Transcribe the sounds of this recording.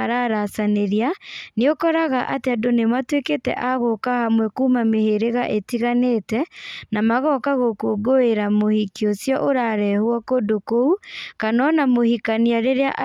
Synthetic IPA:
aɾaɾasaneɾianeokɔɾaɣaʔateadonematweketɛ̰ʔaɣokahamwɛkuːmameheɾeɣaʔetiɣanetɛnamaɣɔkaɣokoɡoeɾamohikiosjɔʔoɾaɾɛhwɔkodokoukanɔnamohikaniaɾeɾeaʔ

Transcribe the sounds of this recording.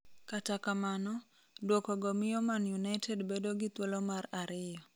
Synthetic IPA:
katakamanɔ | dwɔkɔɡɔmɪjɔmanjunaɪtʰedbedoɡɪt̪wɔlɔmaɾaɾɪjɔ

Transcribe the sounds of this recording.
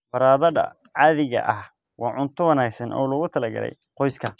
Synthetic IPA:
fɐɾaːðɐðɐ̰ | ʕɑðɪɣɐ̰ʔɐh | wɑːʕʊnt̪ʰʊwɐnaːɡsɐnʔɔ̰ːlɔɣʊt̪ʰɐlɐɡɐ̰lɛ̰j | qɔjskʰɐ

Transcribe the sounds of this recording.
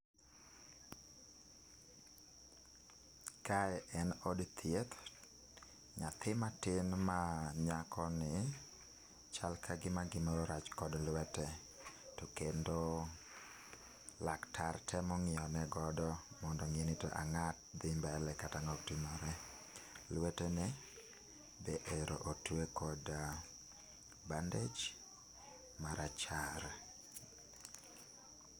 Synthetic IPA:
kaɛʔɛnɔdt̪ʰjet̪ | ɲat̪ʰɪmatɪnmaɲakʰɔnɪ | t͡ʃalkʰaɡɪmaɡɪmɔɾɔɾat͡ʃkɔdlwɛtɛ | tokendo | laktʰartʰɛmɔŋɪɔnɛɡɔdɔ | mɔndɔŋenitoʔaŋat̚d̪ɪmbaɛlɛkataŋɔktimɔɾɛ | lwɛtɛnɛ | beʔeɾo̰ʔotwekɔda | banded͡ʒ | maɾʔat͡ʃaɾ

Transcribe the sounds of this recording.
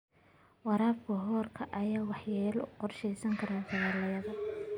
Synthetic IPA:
wɑɾaːbkʰɐɦɔːrkʰɐʔɐjaːwɑħjɛːlʊqɔrʃɛjsɐŋkʰɐɾaːsɐɣaːlɐjɐðɐ

